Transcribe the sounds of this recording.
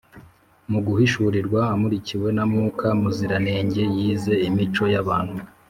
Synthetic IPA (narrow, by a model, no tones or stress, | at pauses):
muɡuhiʃuɾiɾɡwaːmuɾiciwe̞namŋuːkʰamuziɾane̞ːɲɟe̞jiːze̞imit͡ʃo̞jaβaːnhu